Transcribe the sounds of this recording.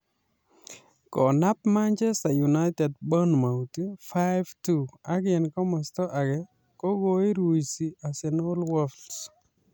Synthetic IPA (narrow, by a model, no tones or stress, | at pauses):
kɔnap̚maɲt͡ʃɛstajunajtɛd̚bɔnmawtifaɪvtuakɪnkɔmɔstɔʔakɛ | kokoiɾuisiasɛnolwɔls